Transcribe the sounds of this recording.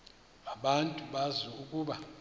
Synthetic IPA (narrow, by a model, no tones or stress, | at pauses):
aɓantʼuɓaziukʼuːɓa